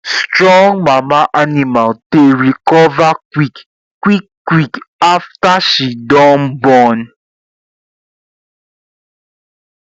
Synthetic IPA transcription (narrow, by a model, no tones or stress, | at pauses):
stɾɔ̃ŋmãmãʔanĩmalteɾikɔvakwik | kwikkwikaftaʃidɔ̃nbɔn